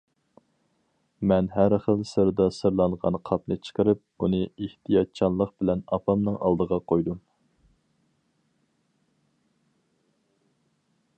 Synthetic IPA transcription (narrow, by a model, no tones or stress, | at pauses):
mɛnɦæɾχəlˠsɨɾɨd̪ɑsɨɾlˠɑɴʁɑ̰nqʰɑpnɨt͡ʃʰə̥qəɾɨp̚unɨeht̪ʰijɑt̪̚t͡ʃʰɑnlˠəq̚bɪlɛnɑpʰɑmnɨŋɑ̰lˠd̪əʁɑqʰojd̪um